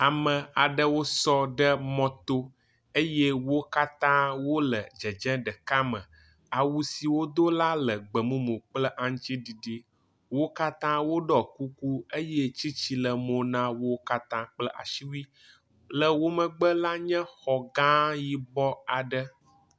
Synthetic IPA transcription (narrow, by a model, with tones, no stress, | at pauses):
a˨mə̃˨a˨ɖə˦wo˦sɔ˦ɖə˦mɔ̃˦t̪o˦ | e˦je˦wo˦ka˦t̪ã˦wo˦lə˨d͡ʒə˨d͡ʒɛ̃˦ɖə˨ka˦mə̰̃˨ | a˨wu˦si˨wo˦d̪o˦la˦lə˨ɡ͡bə˨mũ˦mõ˨k͡plə˦ʔã˦ŋ̃˦t͡ɕi˦ɖi˨ɖi˦ | wo˦ka˦t̪ã˦wo˦ɖɔ˨ku˦ku˦e˦je˦t͡ɕi˦t͡ɕi˦lə˨mõ˨nã˦wo˦ka˦t̪ã˦k͡plə˦ʔa̰˨ʃi˦wu˦i˦ | lə˨wo˦mə̃˨ɡ͡bə˦la˦ɲɛ̃˦xɔ˨ɡã˦ji˦bɔ˦a˨ɖə˦